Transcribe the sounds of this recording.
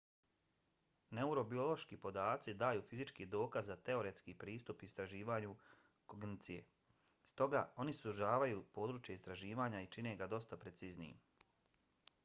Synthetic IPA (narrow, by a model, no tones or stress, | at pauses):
ne̞uɾo̞bio̞lˠo̞ʃkipo̞d̪aːt̪sid̪aːjuːfizit͡ʃkid̪o̞ːkazːat̪e̞oɾe̞t̪skiːpɾiːst̪upist̪ɾaʒiːʋaːɲu | koɡnit̪sije̞̰ | st̪o̞ɡa̰o̞nisuʒaːʋajuːpo̞ːd̪ɾuːt͡ʃjaist̪ɾaʒiːʋaːɲait͡ʃine̞ɡad̪o̞st̪apɾe̞t̪siznijḭm